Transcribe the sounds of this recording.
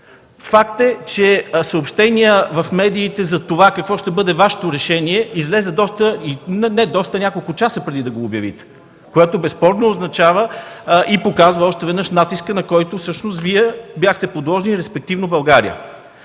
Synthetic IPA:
fakt̪ɛt͡ʃɛsəopʃt̪ɛniəvɐfmɛd̪iːt̪ɛzɐt̪ovakɐkvɔʃt̪ɛbɤd̪ɛvaʃɛ̥t̪oɾɛʃɛniɛizlɛzɛd̪ɔst̪əinɛnɛd̪ɔst̪ənʲakolˠkʊt͡ʃasəpɾɛd̪id̪ɐɡoːbjɐvḭt̪ɛ̥ | koɛt̪obɛspɔɾnoːznɐt͡ʃavəʔipokazvəɔʃt̪ɛvɛd̪nəʃnat̪iskənɐkɔjt̪ofsɤʃnost̪viɛbjaxt̪ɛpod̪lˠɔʒɛniɾɛspɛk̚t̪ivnobɐlˠɡaɾḭə̰

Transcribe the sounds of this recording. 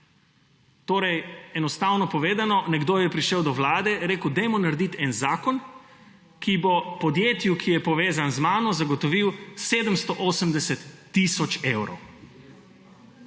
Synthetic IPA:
t̪oːɾɛjɛnɔst̪awnɔpɔʋeːd̪anɔnɛɡd̪oːjɛpɾiʃɛwd̪ɔʋlaːd̪ɛɾeːkəwd̪ɛjmɔnaɾd̪it̪ɛnzaːkɔn | kibɔpɔd̪jeːt̪jukʰijɛpɔʋeːzanzmaːnɔzaɡɔt̪ɔʋiwseːd̪əmst̪ɔʔoːsəmd̪ɛsɛt̪ːisɔt͡ʃewɾɔ̰w

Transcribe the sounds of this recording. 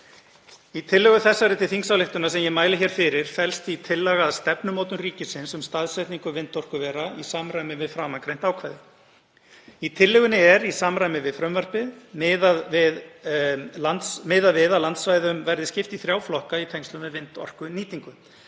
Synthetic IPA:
it̪ʰɪlːɛɣʏθɛsːaɾɪt̪ʰɪlθiŋksawlɪht̪ʏnasɛmjɛmaːjlɪçɛɾ̥fɪɾɪɾ̥fɛlst̪it̪ʰɪlːaɣaːðst̪ɛpnʏmoːwt̪ʏnriːcɪsɪnsʏmst̪aðsɛt̪niŋkʏvɪnt̪ɔr̥kʏvɛːɾaisaːmɾaːjmɪvɪðfɾaːmankɾejn̥t̪aːwkʰvajðɪ | it̪ʰɪlːɛɣʏnɪɛɾisaːmɾajmɪvɪðfɾœmvar̥pɪðmɪːðavɪð | lant̪smɪːðavɪðaðlant̪svaːjðʏmvɛɾðɪscɪft̪iθɾjaːwflɔhkait̪ʰɛjŋst̪ʏmvɛðvɪnt̪ɔ̰r̥kʏniːt̪iŋkʏ

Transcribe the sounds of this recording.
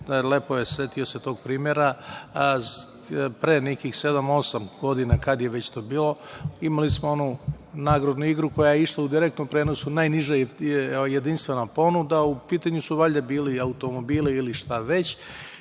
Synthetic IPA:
lepo̞jesʋet̪io̞set̪o̞ːɡ̚pɾiːmjeɾa | pɾe̞ːnekixse̞d̪amo̞samɡ̥o̞d̪inakad̪jeʋet͡ɕt̪o̞ːbiːlˠo̞imalismoo̞nu | naːɡɾod̪nuiɡɾuko̞jajeiʃlˠaud̪iɾek̚t̪nompɾeːno̞sunajniʒa | jed̪inst̪ʋe̞napo̞nud̪aupiːt̪aɲusuʋaʎʲd̪abiːliaut̪o̞mo̞biːliiliʃt̪aʋe̞t͡ɕ

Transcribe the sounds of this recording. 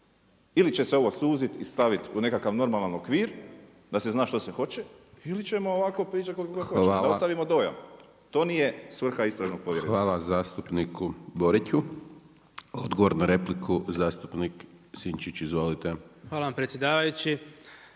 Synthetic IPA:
ilit͡ʃe̞seo̞ʋo̞suːzit̪ist̪aʋit̪une̞kakaʋno̞ɾmalˠano̞kʋiːɾ | d̪ase̞znaːʃt̪osexo̞t͡ʃeilit͡ʃe̞mooʋako̞pɾiːt͡ʃat̪kolikokooaːd̪aost̪aʋimo̞d̪o̞ja̰m | t̪o̞ːnije̞sʋr̩xaist̪ɾaʒno̞ɡ̚po̞ʋjeɾiʋaːlˠazaːst̪upnikuboɾicu | od̪ɡoʋoɾnaɾeplikʰuzaːst̪upnik | siɲt͡ʃit͡ɕizʋo̞lit̪exʋaːlˠaʋampɾet̪sʲjed̪aːʋajut͡ʃi

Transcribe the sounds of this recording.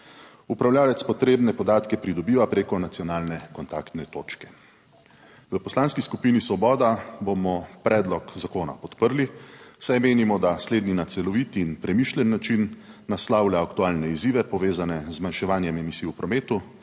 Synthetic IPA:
upɾawlʲjaːlɛt̪spɔt̪ɾeːbnɛpɔd̪aːt̪kɛpɾid̪ɔbiːʋapɾeːkɔnat̪sijɔnaːlnɛkɔnt̪a̰kt̪nɛt̪oːt͡ʃkɛ̥ | ʋəpɔslaːnskiskupinisʋɔbɔːd̪abomɔpɾʔɛːd̪lɔkzakoːna̰pɔt̪pəɾlisajmeːnimɔd̪asleːd̪ninat̪sɛlɔʋit̪inpɾɛmiʃlʲɛnːat͡ʃinːaslawlʲjaːkt̪uaːlnɛiziːʋɛpɔʋeːzanɛzmanʃɛʋaːnjɛmɛmisiːupɾɔmeːt̪u

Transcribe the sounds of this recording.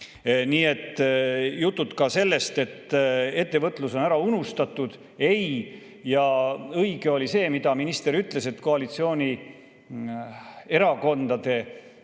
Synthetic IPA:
niːe̞t̪ːˑjut̪ˑːut̪kɑse̞lːe̞st̪e̞t̪ːe̞t̪ːe̞vɤt̪ːˑluso̞næɾɑunust̪ɑt̪ːˑud̪̥ | e̞j | jɑɤjɡ̥e̞o̞lise̞ːmid̪̥ɑminist̪e̞ɾyt̪ˑle̞se̞t̪ːˑko̞ɑlit̪sio̞ːnʲi | e̞ɾɑko̞nd̪̥ɑd̪̥e̞

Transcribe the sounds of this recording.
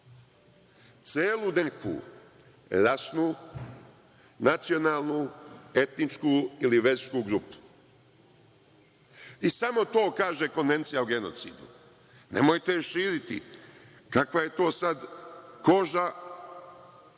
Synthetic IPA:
t̪seːlˠunekʰṵː | ɾasnuː | nat̪sio̞naːlˠnue̞t̪nit͡ʃkuːiliʋe̞ɾskuɡɾupu̥ | isamo̞t̪o̞ːkaːʒeko̞nʋe̞nt̪sijauɡe̞no̞t̪sḭːd̪ṵ | nḛmojt̪eʃiːɾit̪ḭ | kakʋaje̞t̪o̞ːsad̪ko̞ʒa

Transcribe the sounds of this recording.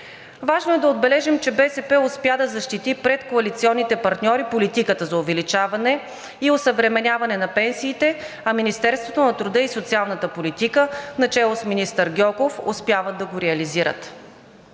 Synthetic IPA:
vaʒnoɛd̪ɐod̪̚bɛlɛʒɛmt͡ʃɛbɛsɛpɛʊspjad̪ɐzɐʃt̪it̪ipɾɛt̪koɐlit̪siɔnːit̪ɛpɐɾt̪nʲɔɾipolit̪ikət̪əzɐʊvɛlit͡ʃavɐnɛ | iosəvɾɛmɛnʲavɐnɛnɐpɛnsiːt̪ɛ | ɐminist̪ɛɾst̪vot̪onɐt̪ɾud̪ɤisot̪sialˠnət̪əpolit̪ikənɐt͡ʃɛlˠosminist̪əɾɡʲɔkofʊ̰spjavət̪ːɐɡoɾɛɐliziɾə̰t̪

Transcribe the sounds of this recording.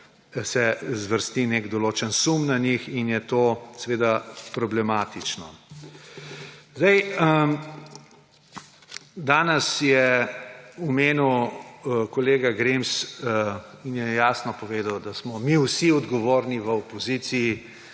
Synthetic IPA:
sɛzʋəɾst̪ineɡd̪ɔloːt͡ʃənsumnanixinjɛt̪oːsɛʋeːd̪apɾɔblɛmaːt̪it͡ʃnɔ | zd̪ɐjə | d̪aːnɛsjɛ | ɔmeːniw | kɔleːɡaɡɾems | injɛjaːsnɔpɔʋeːd̪awd̪asmɔmiwsiɔd̪ɡɔʋoːɾniʋəɔpɔzit̪sii

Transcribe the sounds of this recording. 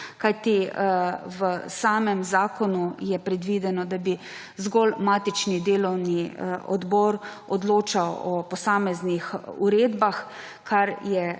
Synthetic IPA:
kajt̪i | ʋəsaːmɛmzaːkɔnujɛpɾɛd̪ʋid̪ɛnɔd̪abi | zɡɔlmaːt̪it͡ʃnid̪eːlɔwniɔ̰d̪bɔɾ | ɔd̪loːt͡ʃawɔpɔsaːmɛznixṵɾeːd̪bax | kʰaɾjɛ

